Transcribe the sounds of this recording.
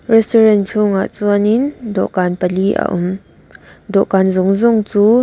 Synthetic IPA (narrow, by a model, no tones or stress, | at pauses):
rɛstɔrɛnt͡ʃʰʊŋa̰ʔt͡suənɪndɔʔkanpəliʔa̰ʔʊm | dɔʔkanzʊŋzʊŋt͡suː